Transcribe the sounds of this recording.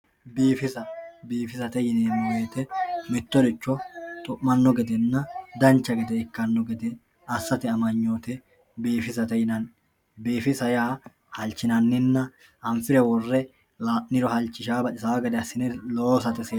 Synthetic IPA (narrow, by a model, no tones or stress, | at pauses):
biːfɪsɐbiːfɪsɐt̪ɛjɪneːmweːt̪ɛmɪt̪ːɔd̪ɪt͡ʃːɔt̪ʼʊʔmɐnːɔɡɛd̪ɛnːɐd̪ɐnt͡ʃːɐɡɛd̪ɛɪkːɐnːɔɡɛd̪ɛ | ɐsːɐt̪ɪɐmɐɲːoːt̪ɛ | biːfɪsɐt̪ɛjɪnɐn | biːfɪsɐjaː | hɐlt͡ʃːɪnɐnːɪnːɐ | ʔɐɱfɪɾɛwɔrːɛ | laːʔnɪɾɔhɐlt͡ʃːɪʃaːbɐtɪsaɐɡɐd̪ɛɐsːɪnɛloːsɐt̪ɛseː